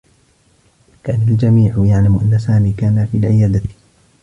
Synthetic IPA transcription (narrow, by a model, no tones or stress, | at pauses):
kaːnald͡ʒamiːʕjaʕlamʔa̰nːasaːmiːkaːnafiːlʕɪjaːd̪a